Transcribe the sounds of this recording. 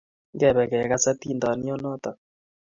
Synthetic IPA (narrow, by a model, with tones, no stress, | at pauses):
ŋɡɛ˨βɛ˨kɛ˨ka˦sa˦ti˦ndɔ˨ni˦ɔ˦nɔ˦tɔ˨